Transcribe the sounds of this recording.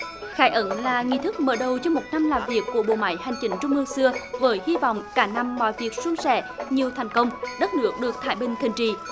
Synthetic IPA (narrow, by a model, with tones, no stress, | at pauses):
xaː˧˩˦jʔə˧˦nlaː˨˩ŋḭ˧˨t̪ʰɨ˦˥k̚məː˧˩ɗə˨˩wt͡ɕɔ˧mo˨˩t̚na˧mlaː˨˩mvi˨˩əkːu˧˩əɓo̰˧˨ma̰ː˧˦jha˨˩jŋ̟t͡ɕï˨˦ŋ̟t͡ɕʊ˧ŋ͡mʔɨ˧ŋsɨ˧əvəː˨˦jhi˧vɔ̰˧˨wŋ͡mkaː˨˧˦na˧mːɔ̰˧˨jvi˨˩ək̚su˧ŋsɛ̰˧˥ɲi˨˩əwt̪ʰa˨˩jŋ̟kə˧wŋ͡mɗə˦˥t̚nɨ˦˥ək̚ɗɨ˨˩ək̚t̪ʰaː˧˩jɓï˨ŋ̟t̪ʰï˨˩ŋ̟t͡ɕḭ˧˨